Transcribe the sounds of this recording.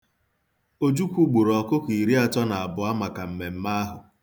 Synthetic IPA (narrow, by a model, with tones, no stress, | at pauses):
o˦d͡ʒu˦kʷu˦ɡ͡bu˨ɾɔ˨kʊ˦ki˨ɾi˦a˨t͡ʃɔ˦na˨a˨bʊ˨a˦ma˨ka˨m̩˨me˨m̩˦ma˦a˦ɦʊ˨